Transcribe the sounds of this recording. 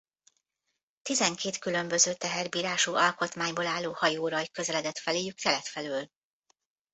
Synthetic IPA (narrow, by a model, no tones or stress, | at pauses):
t̪izɛŋkeːt̪kylø̞mbø̞zøːt̪ɛɦɛrbiːɾaːʃuːʔɒlko̞t̪maːɲboːlaːlːoːhɒjoːɾɒjkø̞zɛlɛd̪ɛt̪fɛleːjykt̪ɛlɛt̪fɛløːl